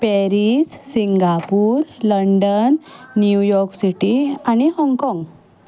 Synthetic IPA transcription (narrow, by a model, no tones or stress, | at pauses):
pɛɾissiŋɡapuːɾləɳɖənːjujɔɾksiʈianihɔ̃ŋɡkɔ̃ŋɡ